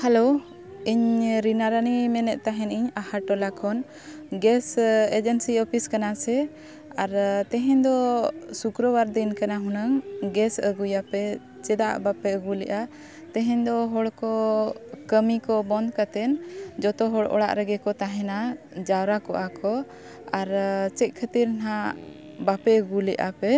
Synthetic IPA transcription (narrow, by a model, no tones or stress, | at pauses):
halo | iɲɾinaɾanimɛnɛʔ̚t̪aɦɛ̃niɲahaʈɔlakʰɔn | ɡɛsed͡ʒənsiɔpʰiskanasɛ | aɾt̪ɛɦɛ̃ɲd̪ɔsukɾəwaɾd̪inkanaɦũnaŋɡɛsəɡujapɛ | t͡ʃɛd̪aʔbapɛəɡulɛʔa | t̪ɛɦɛ̃ɲd̪ɔɦɔɽkɔkəmikɔbɔnd̪kat̪ɛnd͡ʒɔt̪ɔɦɔɽʔɔ̰ɽa̰ʔɾɛɡɛkɔt̪aɦɛ̃na | d͡ʒawɾakɔʔakʰɔ | aɾt͡ʃɛc̪̚ˀkʰət̪iɾna | bapɛəɡulɛʔa̰pɛ